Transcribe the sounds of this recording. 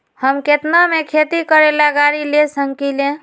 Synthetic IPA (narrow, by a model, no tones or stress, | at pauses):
həmket̪namekʰet̪ikəɾelaɡaɾilesəŋkilẽ